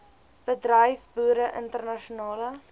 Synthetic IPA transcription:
b̥ədrəjfbuəɾəʔəntərnɐʃunɑːlə

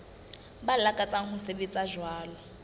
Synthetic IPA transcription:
balakʼat͡sʼaŋ̩hʊsebet͡sʼaʒwaːlɔ

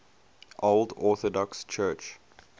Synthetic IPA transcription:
ʔoldɔˑθɔdɔkst͡ʃʰɜˑt͡ʃ

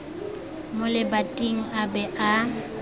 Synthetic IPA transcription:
mʊlɪbatʼiŋ̩abɛʔa

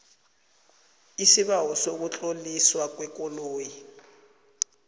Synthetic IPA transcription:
isiβawɔsok̬ut͡ɬʼoliswak̬wɛkʼoloːji

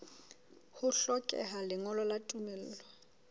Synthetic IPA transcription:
hʊɬɔkʼɛ̰ɦalɪŋɔlɔlatʼumɛl̩ːlwa

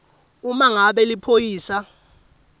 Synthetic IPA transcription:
umaŋaɓɛlipʰojiːsa

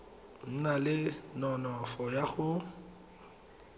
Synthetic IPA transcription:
n̩nalɪnɔnɔfɔjaɣʊ

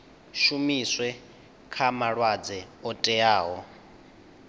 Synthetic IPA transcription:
ʃumiswɛ | kʰamaɺwad͡zɛɔtʼɛaːɦɔ

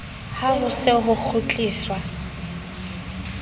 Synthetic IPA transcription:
harʊsɪɦʊk͡xʰʊt͡ɬʼiːswa

